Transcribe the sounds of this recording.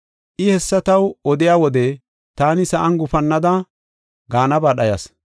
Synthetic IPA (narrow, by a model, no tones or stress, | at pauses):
ʔɪhɛsːɐt̪ɐwɔd̪ɪjaːwɔd̪ɛ | t̪aːnɪsɐʔɐnɡʊfɐnːɐd̪ɐ | ɡaːnɐbaːɗɐjɐ̰s